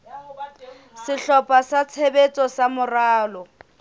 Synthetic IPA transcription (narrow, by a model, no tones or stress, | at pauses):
sɪɬɔpʼasat͡sʰebet͡sʼɔsamʊraːlɔ